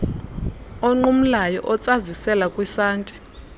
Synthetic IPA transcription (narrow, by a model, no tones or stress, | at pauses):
ɔŋ͡ǃum̩lajɔʔɔt͡sʼazisɛlakʼwisaːntʼi̥